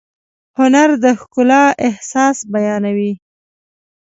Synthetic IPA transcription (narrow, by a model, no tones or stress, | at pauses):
hʊnaɾd̪əxkʊlɑʔɪhsɑsbajɑnawi